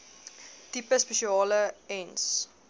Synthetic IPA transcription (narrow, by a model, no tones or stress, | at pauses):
tipəspeʃiɑːləɛns